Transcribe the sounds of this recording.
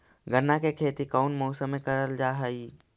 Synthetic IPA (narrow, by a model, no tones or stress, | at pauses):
ɡənːakekʰeːt̪ikaʊnmoːsəmẽkəɾəld͡ʒaːɦəi